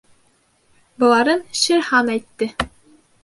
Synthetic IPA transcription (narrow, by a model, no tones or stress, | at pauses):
bɤ̆lˠɑɾɤnɕɘɾhɑnæjt̪ːɘ